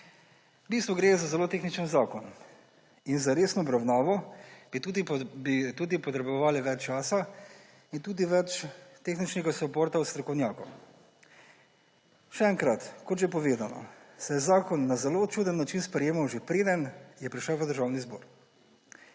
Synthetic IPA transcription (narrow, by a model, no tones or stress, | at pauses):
bist̪ʋɔɡɾezazɛloːt̪eːxnit͡ʃənzaːkɔn | inzaɾeːsnɔːbɾawnaːʋɔb̥it̪ud̪ibit̪uːd̪ipɔt̪ɾɛbɔʋaːliʋɛt͡ʃt͡ʃːaːsa | int̪uːd̪iʋɛt͡ʃt̪exnit͡ʃnɛɡasɔboːɾt̪awst̪ɾɔkɔwnʲjaːkɔw | ʃɛɛːŋkɾat̪kɔt̪ʒep̬ɔʋeːd̪anɔ̰sɛjɛzaːkɔnːazɛlot͡ʃuːd̪ənːat͡ʃinspɾɛjeːmawʒepɾeːd̪ənjɛpɾiʃəwʋəd̪əɾʒawnizbo̰ːɾ